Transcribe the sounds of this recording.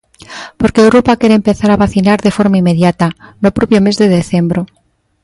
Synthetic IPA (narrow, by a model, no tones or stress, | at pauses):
po̞ɾkeːwɾopakje̞ɾeːmpe̞θaɾaβaθinaɾðe̞fo̞ɾmaimːeðjat̪anopɾopjome̞zðe̞ð̞e̞θe̞mbɾo